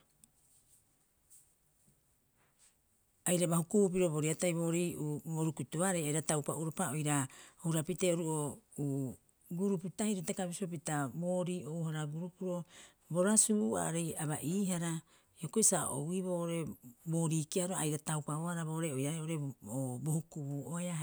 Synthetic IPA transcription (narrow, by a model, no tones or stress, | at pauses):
ajɾabahukup̬iɾo̞bo̞ɾiatajbo̞ːɾiʔuoɾukutuaɾejajɾatawpauɾopaojɾahuɾapiteoɾuʔouː | ɡuɾuputahiɾetakabisop̬itabo̞ːɾiːouhaɾaɡuɾupuɾo̞ | bo̞ɾasuua̰ɾejaβaʔiːɦaɾa | iokoisaʔo̰wiβo̞ːʔoɾe̞bo̞ːɾikiaɾoajɾatawpaohaɾaβo̞ːʔɾeojaɾeoɾeobo̞hukuβuːʔoea